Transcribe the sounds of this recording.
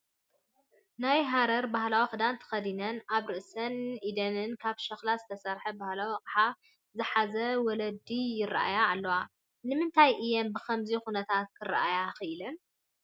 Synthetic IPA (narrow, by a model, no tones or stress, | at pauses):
najɦaɾɐɾbahlawixɨd̪ant̪ʰɐ̥xɐd̪inɐnaβɾɨʔsɐnid̪ɐnɨnkʰaβʃɐxlazɨt̪ʰɐsɐɾħɐbahlawiqʼħa | zɨħazɐwɔlɐd̪ijɪra̰ʔa̰jaːlːɐwa | nɨmɨnt̪ʰajʔɨjɛmbɨxʰɐmzixunɐt̪ʰat̪̚kʰɨɾa̰ʔajaxɨʔɨlɐn